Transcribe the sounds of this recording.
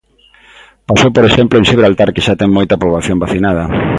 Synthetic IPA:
pasowpoɾeʃemplʊẽnsiβɾalt̪aɾkeʃat̪ɛŋmojt̪ɐpɾoβlaθjombaθinað̞ɐ

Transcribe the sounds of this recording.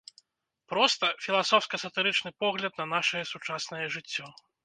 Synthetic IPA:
pɾɔst̪ɐfʲilˠasɔwfskɐsɐt̪ɨɾɨt͡ʂnɨpɔɣlʲɐd̪̚nɐnaʂɐjɛsut͡ʂasnɐjɛʐɨt͡sʲːɔ

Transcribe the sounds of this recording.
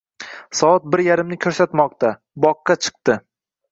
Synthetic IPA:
sɒɒt̪̚bɪɾjaɾɪmnɪkʲʰɵɾsat̪mɒqt̪a | bɒqːɑt͡ʃʰɨ̥q̚t̪ɪ

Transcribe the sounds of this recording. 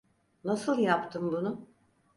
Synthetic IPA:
nasɯlˠjapt̪ʰɯmbunʊ

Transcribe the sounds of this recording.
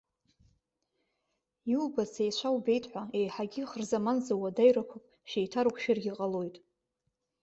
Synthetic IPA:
juubasejt͡ʃʷʰawbe̞jtʰʼħʷaejħaɡʲiχərzamanzawadajrakʷʰapʼ | ʃejtʰaɾkʷʰʃɪrɡʲiqʼalo̞jtʼ

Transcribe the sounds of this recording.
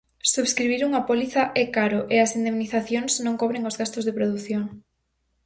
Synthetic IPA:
suβskɾiβiɾuŋɐpoliθaʔɛkaɾoʔeɐsind̪emniθaθjoŋsnõŋkoβɾeŋozɣast̪ʊzðepɾoðuθjoŋ

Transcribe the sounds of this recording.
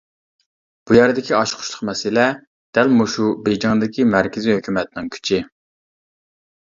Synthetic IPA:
b̥ujɛɾd̪ɪkʲiɑʃqʰʊ̥ʃlˠəχmɛsɪlɛ | d̪̥ælmuʃubejd͡ʒɑŋd̪ɪkʲimæɾkʲɪziɦøkʲʰymɛt̪̚ɪnɪŋkʲʰy̥t͡ʃʰɪ

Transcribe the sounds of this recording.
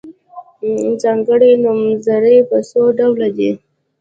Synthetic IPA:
zɑŋɡəɽenʊmzaɾepəsoɖawlad̪e

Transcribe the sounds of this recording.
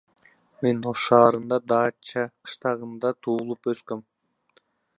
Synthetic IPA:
me̞noz̥ʃɑːɾɯnd̪ɑd̪ɑːt͡ʃɑqʰɯ̥ʃt̪ɑʁɯnd̪ɑt̪ʰuːlˠupøskøm

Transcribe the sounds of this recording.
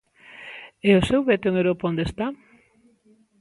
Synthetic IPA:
ɛosewβɛt̪eŋewɾopond̪est̪a

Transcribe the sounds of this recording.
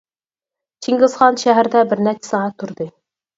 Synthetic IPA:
t͡ʃʰiŋɡɨzʁɑnʃæɦæɾd̪ɛbɪɾnæt͡ʃʰɪ̥sɨŋɑt̪ʰːuɾd̪ɨ

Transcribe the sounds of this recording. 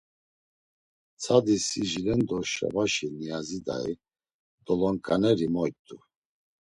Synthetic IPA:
t͡sʰad̪isiʒilɛnd̪ɔʃa̰vaʃinijazid̪a̰ḭ | d̪̥ɔlɔŋkʼanɛɾimɔjt̪ʼu

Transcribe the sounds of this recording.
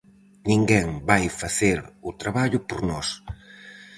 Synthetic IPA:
nĩŋɡɛŋbajfaθeɾʊt̪ɾaβaʎʊpoɾnɔs

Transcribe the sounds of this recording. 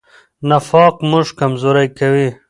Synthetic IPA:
nɐfɑːqmʊʐkɐmzoːɾɐjkɐwi

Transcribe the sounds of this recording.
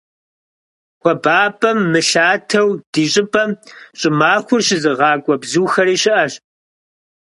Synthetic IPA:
xʷɔbaːpʼɐmːɨɬaːtʰɐwd̥iːɕʼɪpʼɐmɕʼɪmaːxʷʊrɕɪzɨʁɑːkʷʼɔbzuːxɐɾiːɕɪʔɐɕ

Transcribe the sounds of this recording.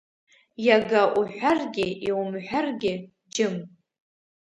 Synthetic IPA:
jaɡaʔuħʷarɡʲɪʔiwumħʷarɡʲɪ | d͡ʒɪm

